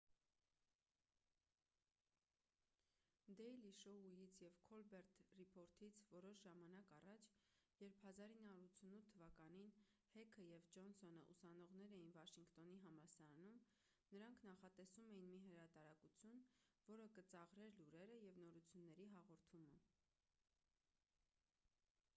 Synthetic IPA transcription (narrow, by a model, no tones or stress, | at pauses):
d̪ɛjliʃɔujit͡sʰjɛvkʰɔlbɛɾt̪ʰripʰɔɾt̪ʰit͡sʰvɔɾɔʃʒɑmɑnɑkɑrɑt͡ʃʰjɛɾpʰhɑzɑɾinːɑuɾut͡sʰunut̪ʰːəvɑkɑnin | hɛkʰəjɛvd͡ʒɔnsɔnəʔusɑnɔʁnɛɾɛjinvɑʃiŋkt̪ɔniɦɑmɑsɑɾɑnum | nəɾɑŋkʰnɑχɑt̪ɛsumɛjinmiɦəɾɑt̪ɑɾɑkut͡sʰjunvɔɾəkət͡sɑʁɾɛɾluɾɛɾəjɛvnɔɾut͡sʰjunːɛɾiɦɑʁɔɾt̪ʰumə